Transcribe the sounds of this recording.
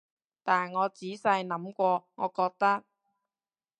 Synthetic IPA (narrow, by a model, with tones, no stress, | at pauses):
t̪aː˨nŋɔː˨˧t͡siː˨˥sɐ˧jnɐ˨˥mkʷɔː˧ŋɔ̰ː˨˧kɔː˧k̚t̪ɐ˥k̚